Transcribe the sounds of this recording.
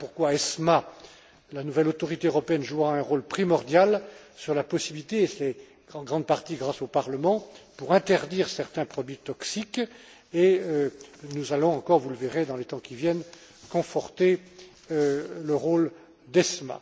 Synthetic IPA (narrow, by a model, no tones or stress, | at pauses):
puʁkwaɛsma | lanuvɛlot̪ɔʁit̪eøʁɔpeɛnʒuʁaɛ̃ʁolpχimɔʁd̪jalsyʁlapɔsibilit̪eːsɛ | ɑ̃ɡʁɑ̃d̪̚paʁt̪iɡʁasopaʁləmɑ̃puʁɛ̃t̪ɛʁd̪iʁsɛʁt̪ɛ̃pχɔd̪ɥit̪ɔksik | eønuzalɔ̃ɑ̃kɔʁvuləveʁed̪ɑ̃let̪ɑ̃kʲivjɛn | kɔ̃fɔʁt̪e | øləʁol | d̪ɛsma̰